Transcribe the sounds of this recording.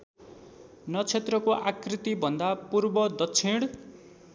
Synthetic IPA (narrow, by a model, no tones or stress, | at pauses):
nʌt͡sʰet̪rʌkoʔakrit̪ibʱʌnd̪apurbʌd̪ʌtt͡sʰiɽ